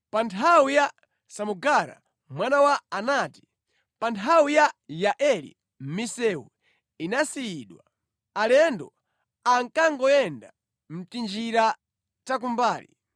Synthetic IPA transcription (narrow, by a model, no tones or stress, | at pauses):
pantʰawuja | samuɡaɾa̰ | mwanawaːnaːti̥ | pantʰawijajaʔɛlḭ | m̩misɛṵ | inasiiːɗwa̰ | alɛndɔ | aŋkaŋɡɔjɛnda̰ | m̩tind͡ʒiɾa | tak̬umbaːlḭ